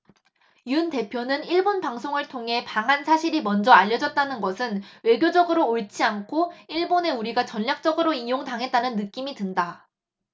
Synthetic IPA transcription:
jiɯnte̞pʰjonɯniɭbonpaŋsʰoŋɯɭtʰoŋɦe̞paŋɦansʰaɕʰiɾimʌnd͡ʑʌaʎːʌd͡ʑʌt̚t͈anɯnɡʌsʰɯnwe̞ɡjod͡ʑʌɡɯɾoːɭt͡ɕʰiankʰoiɭbone̞uɾiɡat͡ɕʌnʎak̚t͡ɕ͈ʌɡɯɾoijoŋtaŋɦe̞t̚t͈anɯnːɯk͈imitɯnda

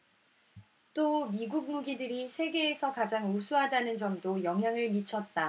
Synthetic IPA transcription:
t͈omiɡuk̚muɡidɯɾisʰe̞ɡe̞ːsʰʌkad͡ʑaŋosʰuɦadanɯnd͡ʑʌmdojʌŋɦjaŋɯɭmit͡ɕʰʌt̚t͈a

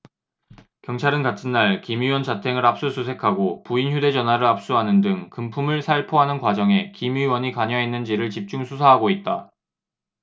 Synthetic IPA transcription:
kjʌŋt͡ɕʰaɾɯnkatʰɯnːaɭkimiwʌnt͡ɕatʰe̞ŋɯɾap̚s͈usʰusʰe̞kʰaɡopuinçjude̞d͡ʑʌnwaɾɯɾap̚s͈uɦanɯndɯŋkɯmpʰumɯɭsʰaɭpʰoɦanɯnkwad͡ʑʌŋe̞kimiiwʌɲikaɲaɦenːɯnd͡ʑiɾɯɭt͡ɕip̚t͡ɕ͈uŋsʰusʰaɦaɡoit̚t͈a

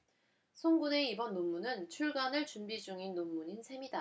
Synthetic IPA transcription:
sʰoŋɡune̞ibʌnːomːunɯnt͡ɕʰuɭɡanɯɭt͡ɕumbid͡ʑuŋinːomːuɲinsʰe̞mida

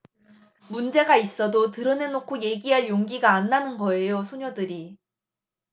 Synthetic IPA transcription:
mund͡ʑe̞ɡais͈ʌdotɯɾʌnenokʰoje̞ɡiɦaɭjoŋɡiɡaːnːanɯnɡʌe̞josʰoɲʌdɯɾi

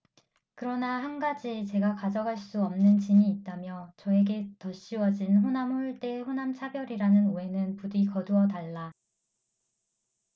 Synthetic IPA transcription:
kɯɾʌnahanɡad͡ʑit͡ɕe̞ɡakad͡ʑʌɡaɭs͈uʌmnɯnt͡ɕiɲiːt̚t͈amjʌt͡ɕʌe̞ɡe̞tʌɕ͈iwʌd͡ʑinɸonamuɭt͈e̞ɸonamt͡ɕʰabjʌɾiɾanɯnue̞nɯnpudikʌduʌtaɭːa

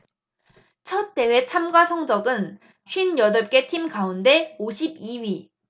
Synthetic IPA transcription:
t͡ɕʰʌt̚t͈ːe̞we̞t͡ɕʰamɡwasʰʌŋd͡ʑʌɡɯn | ɕɥinjʌdʌp̚k͈e̞tʰimkaunde̞oɕʰibiɥi

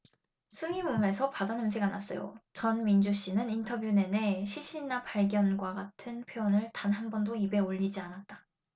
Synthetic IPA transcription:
sʰɯŋimume̞sʰʌpadanɯms̬ʰeɡanas͈ʌ̰jo̰t͡ɕʌnmind͡ʑuɕ͈inɯnintʰʌbjune̞ne̞ɕʰiɕʰinapaɭɡjʌnɡwaɡatʰɯnpʰjoonɯɭtanɦanbʌndoibe̞oʎːid͡ʑianat̚t͈ḁ

